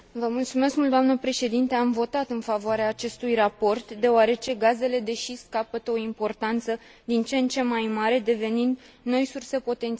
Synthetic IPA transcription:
vəmult̪sume̞skmult̪oamnəpɾe̞ʃe̞d̪int̪e̞amvo̞t̪at̪ɨnfavoaɾeaːt͡ʃe̞st̪ujrapo̞rt̪d̪e̞oaɾe̞t͡ʃe̞ɡaze̞le̞d̪e̞ʃiskapət̪əo̞impo̞rt̪ant̪sə | d̪int͡ʃe̞nt͡ʃe̞mːajmaɾe̞d̪e̞ve̞nind̪ | no̞jsurse̞po̞t̪e̞nt̪s

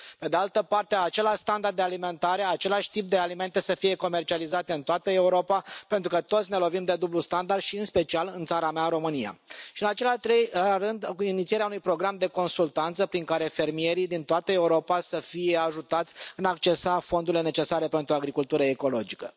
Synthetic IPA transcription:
pe̞d̪ealt̪əpart̪e̞at͡ʃe̞laʃʲst̪and̪ard̪d̪ealime̞nt̪aɾe̞at͡ʃe̞laʃʲt̪ip̚d̪e̞alime̞nt̪e̞səfije̞ko̞me̞rt͡ʃializat̪eɨnt̪oat̪əe̞uɾo̞papent̪ɾukət̪o̞t̪sʲne̞lo̞vimd̪e̞d̪ublust̪and̪ard̪ʃiɨnspe̞t͡ʃialɨnt̪saɾameaɾo̞mɨnija̰ʃiɨnat͡ʃe̞lrɨnd̪init̪sieɾeaunujpɾo̞ɡɾamd̪e̞ko̞nsult̪ant̪səpɾiŋkaɾe̞fe̞rmije̞ɾid̪int̪oat̪əe̞uɾo̞pasəfije̞aʒut̪at̪sʲɨnakt͡ʃe̞safo̞nd̪uɾile̞ne̞t͡ʃe̞saɾe̞pent̪ɾuaɡɾikult̪uɾəeko̞lo̞d͡ʒikə

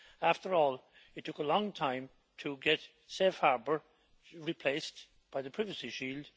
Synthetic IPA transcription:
æftə˞ɔːlˠ | ɨtʰːʊkəlɔ̃ŋtʰãɪ̃m | tʰəɡɛt | sefhaɹbə˞ | ɹipʰl̥eɪs | b̥aɪðəpʰɹ̥ɪvəsiʃilˠd̥

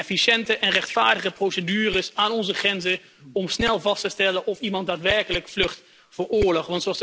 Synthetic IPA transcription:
ɛfiʃɛntəʔɛnrɛχtfaːɹdəχəprowsədyːrəsaːnɔnzəχrɛnzə | ɔmsnɛlˠvɑstəstɛlənʔɔfimɑnt̚daːtʋɛɹkələkflɵχt | fəːɹʊːɹlɔχʋɑntsoɑs

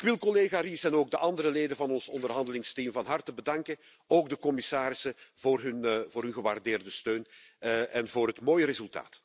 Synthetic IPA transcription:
ɪkʋɪlˠkɔleːɣarisɛnoːɡ̚dəʔɑndəɾəleːdənvɑnɔnsɔndərɦɑndəlɪŋstimvɑnɦɑrtəbədɑŋkən | oːɡ̚dəkɔmɪsaːɾɪsəvʊːrɦɵnvoːrɦɵnɣəʋaːrdeːrdəstøːnʔɛnvoːrɦətmoːjəɾezɵlˠta̰ːt

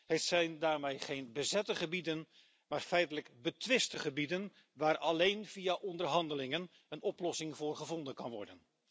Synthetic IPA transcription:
hətsɛjndaːrmejχejnbəzɛtəχəbidən | maːrfɛjtələɡbətʋɪstəχəbidən | ʋaːɾɑlejnv̥iaʔɔndərɦɑndəlɪŋən | ənɔplɔsɪŋvʊːrχəvɔndənkɑnʋɔ̰ɹdən

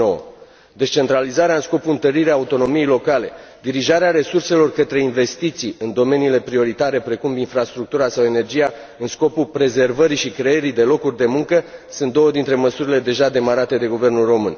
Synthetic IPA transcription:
owə̰ | d̪e̞st͡ʃe̞nt̪ɾalizaɾeaɨnsko̞puɨnt̪əɾiɾeaːut̪o̞no̞mijejlo̞kale̞d̪iɾiʒaɾeaɾe̞surse̞lo̞rkət̪ɾe̞inve̞st̪it̪sijɨnd̪o̞me̞niːle̞pɾio̞ɾit̪aɾe̞pɾe̞kuminfɾast̪ɾuk̚t̪uɾasawe̞ne̞rd͡ʒija | ɨnsko̞pupɾe̞ze̞rvəɾiʃikɾe̞eɾid̪e̞lo̞kurʲd̪e̞muŋkəsɨnt̪d̪o̞wəd̪int̪ɾe̞məsuɾile̞d̪e̞ʒad̪e̞maɾat̪e̞d̪e̞ɡuve̞rnulro̞mɨn

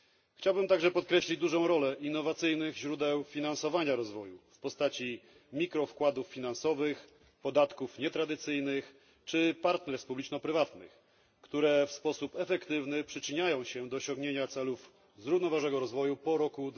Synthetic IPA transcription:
xt͡ɕawbɘmt̪aɡʐɛpɔt̪̚kɾɛɕlʲid͡ʑd̪uʐɔ̃w̃ɾɔlɛʔinːɔvat̪sɘjnɘɣʑɾud̪ɛwfʲinansɔvaɲaɾɔzvɔjṵfpɔst̪at͡ɕi | mʲikɾɔfkwad̪ufːʲin̪ansɔvɘx | pɔd̪at̪kufɲɛt̪ɾad̪ɘt̪sɘjnɘx | t͡ʂɘpaɾt̪nɛɾspublʲit͡ʂnɔpɾɘvat̪nɘ̰x | kt̪uɾɛfspɔsupɛfɛkt̪ɘvnɘpʂɘt͡ʂɘɲajɔ̃w̃ɕɛd̪ɔːɕɔ̃ŋɡɲeɲat̪sɛluf | zɾuvnɔvaʐnɛɡɔɾɔzvɔjupɔɾɔku

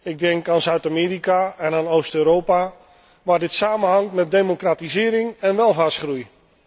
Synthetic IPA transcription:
ɪɡ̚dɛŋkaːnzœɥtameːɾikaɛnaːnoːstøːɾowpa | ʋaːdɪtsaːmənɦɑŋtmɛt̚dejmokratizɪːɾɪŋɛnʋɛlˠvaːsχruj

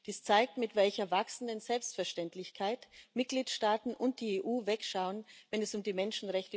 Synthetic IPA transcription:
d̥iːst͡saɪk̚tmɪtv̥ɛlçɐvaksn̩dənzɛlpstfɛɐʃtɛntlɪçkʰaɪtmɪt̚ɡ̥liːtʃtaːtn̩ʔʊnt̚d̥iːeːʔuːvɛkʃaʊənvɛnɛsʊmdiːmɛnʃn̩ʁɛçtə

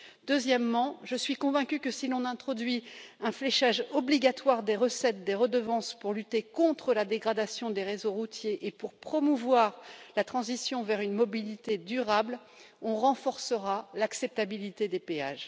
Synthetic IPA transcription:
d̪øzjɛmːɑ̃ʒəsɥikɔ̃vɛ̃kʲykəsilɔ̃nɛ̃t̪χɔd̪ɥiɛ̃flɛʃaʒɔbliɡʲat̪waʁd̪eʁəsɛt̪̚d̪eʁəd̪əvɑ̃spuʁlyt̪ekɔ̃t̪χəlad̪eɡʁad̪asjɔ̃d̪eʁezoʁut̪jeʔːpuʁpχɔmuvwaʁlat̪χɑ̃zisjɔ̃vɛʁynmɔbilit̪ed̪yʁabl | ɔ̃ʁɑ̃fɔʁsəʁalaksɛp̚t̪abilit̪ed̪epeaʒ

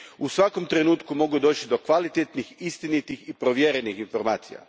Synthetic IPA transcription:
usʋako̞mt̪ɾe̞nuːt̪kumo̞ɡud̪o̞ːt͡ʃid̪o̞kʋalit̪et̪nixist̪init̪ixipɾo̞ʋjeɾenixinfo̞ɾmaːt̪sḭja̰

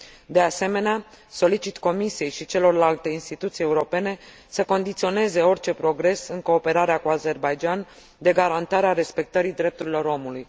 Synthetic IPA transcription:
d̪e̞ase̞me̞nea | so̞lit͡ʃit̪ko̞misije̞jʃit͡ʃe̞lo̞rlalt̪e̞inst̪it̪ut̪sije̞uɾo̞pe̞ne̞ | səko̞nd̪it̪sio̞ne̞ze̞o̞rt͡ʃe̞pɾo̞ɡɾe̞sɨŋko̞ːpe̞ɾaɾeakuaze̞rbajd͡ʒan | d̪e̞ɡaɾant̪aɾeaɾe̞spe̞k̚t̪əɾid̪ɾe̞p̚t̪uɾilo̞ɾo̞muluj

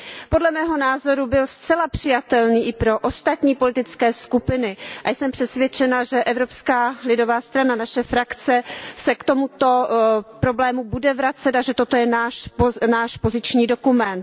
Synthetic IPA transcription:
po̞dlɛmɛːɦo̞naːzo̞ɾubɪlst͡sɛlapr̝̥ɪjat̪ɛlniːʔɪpɾo̞ʔost̪at̪ɲiːpo̞lɪt̪ɪt͡skɛːskupɪnɪʔajsɛmpr̝̥ɛsvjɛt͡ʃɛnaʒɛʔɛvɾopskaːlɪdo̞vaːst̪ɾananaʃɛfɾakt͡sɛsɛkt̪o̞mut̪o̞pɾo̞blɛːmubudɛvɾat͡sɛt̪aʒɛt̪ot̪ojɛnaːʃpnaːʃpo̞zɪt͡ʃɲiːdo̞kumɛnt̪̚

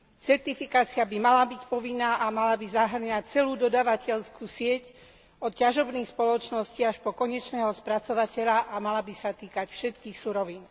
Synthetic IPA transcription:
t͡sɛɾt̪ifikaːt͡siabimalabicpɔʋinːaːʔamalabizaɦr̩ɲac̚t͡sɛluːd̪ɔd̪aːʋacɛʎskuːsɪɛc | ɔt̪caʒɔbniːxspɔlɔt͡ʃnɔsciaʃpɔkɔɲɛt͡ʃnɛːɦɔspɾat͡sɔʋacɛʎaʔamalabisat̪iːkacfʃɛt̪kiːxsuɾɔʋiːn

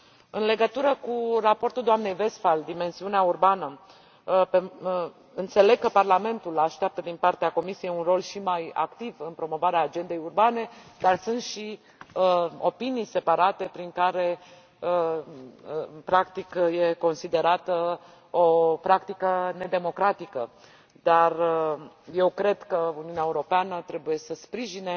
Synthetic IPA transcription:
ɨnle̞ɡət̪uɾəkurapo̞rt̪uld̪oamne̞jve̞st̪fald̪ime̞nsiuneaurbanə | pe | ɨnt̪se̞le̞ɡ̚kːəparlame̞nt̪ulaʃt̪eap̚t̪əd̪inpart̪eako̞misijejunro̞lʃimaja̰kt̪ivɨnpɾo̞mo̞vaɾeaːd͡ʒe̞nd̪e̞jurbane̞d̪arsunt̪ʃi | əo̞pinijse̞paɾat̪e̞pɾiŋkaɾe̞ | pɾakt̪ikje̞ko̞nsid̪e̞ɾat̪ə | opɾakt̪ikəne̞d̪e̞mo̞kɾat̪ikə̰ | d̪̥ar | je̞wkɾe̞d̪̥kəuniuneaeuɾo̞peanət̪ɾe̞buje̞səspɾiʒine

